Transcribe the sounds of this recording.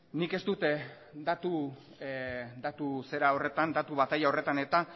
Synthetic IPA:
nike̞st̪ut̪e | d̪at̪u | d̪at̪use̞ɾao̞re̞t̪and̪at̪uβat̪ajao̞re̞t̪ane̞t̪a

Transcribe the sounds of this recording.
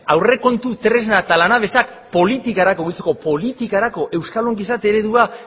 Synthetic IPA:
awre̞ko̞nt̪ut̪ɾe̞znat̪alanaβe̞sak̚ | po̞lit̪ikaɾako̞ɣilt͡seko̞po̞lit̪ikaɾako̞ʔe̞wskaloŋɡisat̪e̞ɾe̞ðua

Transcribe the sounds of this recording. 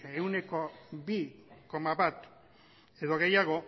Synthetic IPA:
e̞wne̞ko̞biko̞maβat̪ | e̞ðo̞ɣe̞jaɣ̞o̞

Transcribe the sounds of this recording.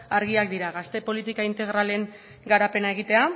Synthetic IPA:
aɾɣiak̚d̪iɾaɣast̪e̞po̞lit̪ikaint̪e̞ɣ̞ɾale̞ŋ | ɡaɾape̞nae̞ɣ̞it̪e̞a

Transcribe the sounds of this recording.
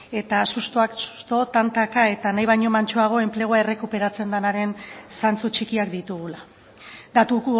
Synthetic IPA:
e̞t̪asust̪oasu̥st̪o̞t̪ant̪akae̞t̪anajβ̞ajɲo̞mant͡ʃoaɣ̞o̞e̞mple̞ɣ̞oae̞re̞kupe̞ɾat͡se̞nd̪anaɾe̞nsant͡sut͡ʃikiakd̪it̪uɣ̞ula | d̪at̪uk

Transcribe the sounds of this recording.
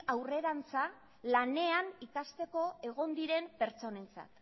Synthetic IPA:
awre̞ɾant͡sa | lane̞anikast̪e̞ko̞e̞ɣ̞o̞nd̪iɾe̞mpe̞ɾt͡so̞ne̞nt͡sa̰t̪

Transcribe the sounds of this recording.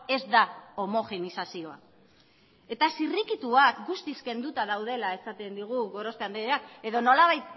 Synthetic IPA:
e̞zd̪ao̞mo̞xe̞nisasio̞a̰ | e̞t̪asirikit̪uakɡust̪iske̞nd̪ut̪aðawð̞e̞lae̞sat̪e̞nd̪iɣ̞uɣo̞ɾo̞speand̪eðeake̞ðo̞no̞laβ̞ajt̪̚

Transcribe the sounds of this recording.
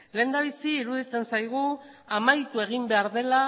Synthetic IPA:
le̞ːnd̪aβ̞isiːɾuðit͡se̞nsajɣ̞u | amajt̪ue̞ɣ̞imbe̞aɾðe̞la

